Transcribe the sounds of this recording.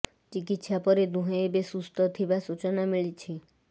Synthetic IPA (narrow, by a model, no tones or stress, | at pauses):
t͡ʃikit̪sapɔɾed̪ũɦɔebesust̪ɔt̪ʰibasut͡ʃɔnamiɭit͡ʃʰi